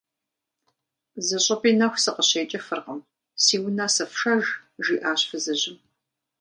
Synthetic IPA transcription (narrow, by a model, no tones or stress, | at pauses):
zɐɕʼɐpʼiːnɐxʷsɨqəɕeːt͡ʃʼɐfɨrqəm | siːwnaːsɐfʃɐʒʒiːʔaːɕfɨzɐʑɪm